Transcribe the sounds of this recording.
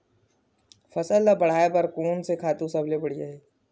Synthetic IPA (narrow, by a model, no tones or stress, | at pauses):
fɐsəlabɐɽ̤aːepɐɾkoːnsekʰaːt̪ũsɐbʱlebɐɽijaɦɛː